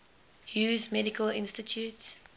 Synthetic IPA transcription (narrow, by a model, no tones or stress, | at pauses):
juːzmɛdɪkʰəlɪ̰̃nstitʰjuːts